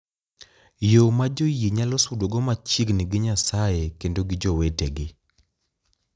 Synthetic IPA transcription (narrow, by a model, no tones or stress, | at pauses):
jomad͡ʒojiɲalɔsudoɡɔmat͡ʃiɡnɪɡɪɲasajekendoɡɪd͡ʒoweteɡɪ